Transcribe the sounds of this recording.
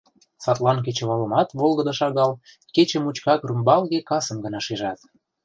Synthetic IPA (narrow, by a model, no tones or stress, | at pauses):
sɑt̪lɑnk̬et͡ɕə̆βɑlə̆mɑt̪βolɣə̆d̪ɤ̆ʃɑɣɑl | ket͡ɕə̆mut͡ɕkɑkrymbɑlɣekɑsə̆mɡə̆nɑʃeʒɑt̪